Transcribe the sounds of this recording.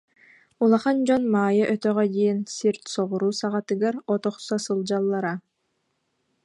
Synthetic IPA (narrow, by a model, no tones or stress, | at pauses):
ulˠaχand͡ʑɔnmaːjɯʔœt̪œʁɛd̪ijinsiɾt̪sɔʁuɾuːsaʁat̪ɯɡaɾɔt̪ɔχsɔsɯlˠd͡ʑalˠːaɾa